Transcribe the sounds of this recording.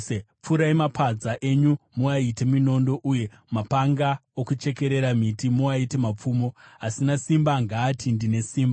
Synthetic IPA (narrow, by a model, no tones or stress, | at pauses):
p͡fuɾaimapʰad͡zaʔe̞ɲumuaite̞mino̞ndo̞ʔuje̞ | mapaŋɡaokut͡ʃe̞ke̞ɾe̞ɾamitimuaite̞map͡fuːmo̞asinasimbaŋɡaːtʰindine̞siːmba